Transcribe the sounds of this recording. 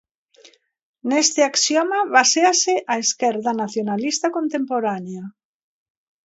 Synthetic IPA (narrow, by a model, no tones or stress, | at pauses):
nest̪ɪaksjomaβaseaseʔaeskɛɾðanaθjonalist̪akont̪empoɾanea